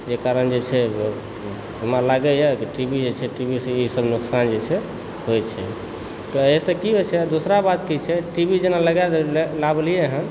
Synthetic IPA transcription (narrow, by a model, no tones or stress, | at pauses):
d͡ʒekaɾənd͡ʒet͡ʃʰɛ | ɦəmalaɡɛjakiʈibid͡ʒet͡ʃʰɛʈibiseisəbnuksand͡ʒet͡ʃʰɛ | ɦojt͡ʃʰɛ̰ | t̪ɔəesekiɦot͡ʃʰɛd̪osɾabat̪kit͡ʃʰɛʈibʱid͡ʒenaləɡɛllablijɛɦə̃